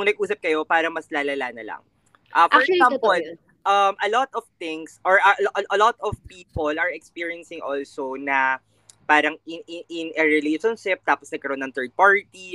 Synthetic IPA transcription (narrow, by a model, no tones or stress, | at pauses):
ŋnɐɡ̚ʔuːsɐp̚kɐjo̞paːɾɐŋmɐslaːlɐlaːnɐlɐ̰ŋ | ʔɐfɔɹɛksampɔl | ʔɐmʔɐlɔt̪ɔvt̪ɪŋsʔɔɹʔɐʔʔɐlɔt̪ɔvpiːpolʔɐɹɛkspiːɹiɛnsɪŋʔɔlsonɐ | paːɾɐŋɪnɪʔɪnɐɹɛleʃɔnʃɪp̚t̪aːposnɐdɡ̚kɐɾnːɐŋt̪ɜɹd̪̚paɹt̪i